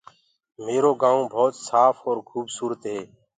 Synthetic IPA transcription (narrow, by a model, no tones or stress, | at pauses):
meːɾoːɡãːõːbʱoːt̪saːfɔːɾkʰuːbsuːɾət̪ɦeː